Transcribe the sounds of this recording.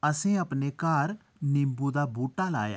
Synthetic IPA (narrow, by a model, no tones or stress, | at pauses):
əsẽːɐpnekaːɾ | nɪmbuːd̪aːbuːʈaːla̰ːja̰ː